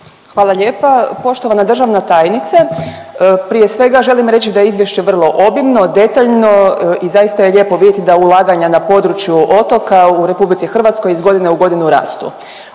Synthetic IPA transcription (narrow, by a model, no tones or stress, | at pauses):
xʋaːlˠaʎe̞ːpapo̞ʃt̪o̞ʋanad̪r̩ʒaʋnat̪ajnit̪sa | pɾije̞sʋe̞ɡaʒe̞limɾe̞t͡ɕid̪ajeizʋje̞ʃt͡ɕe̞ʋr̩lˠo̞ʔo̞bimno̞d̪e̞t̪aʎno̞izajist̪aje̞ʎe̞ːpo̞ʋid̪jet̪id̪aulˠaːɡaɲanapo̞d̪ɾut͡ɕjuʔo̞t̪o̞kauɾe̞publit̪sixr̩ʋat̪sko̞jizɡo̞d̪ineuɡo̞d̪inuɾa̰ːst̪ṵ